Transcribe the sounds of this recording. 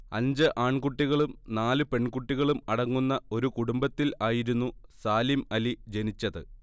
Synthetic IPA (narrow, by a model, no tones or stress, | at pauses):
ɐ̰ɲd͡ʑɨʔaːɳkuʈːiɣɐɭumnaːlɨpe̞ɳkuʈːiɣɐɭumɐɽɐŋːunːɐo̞ɾukuɽumbɐt̪ːilaːjiɾunːusaːlimɐlid͡ʑe̞nit͡ɕːɐðɨ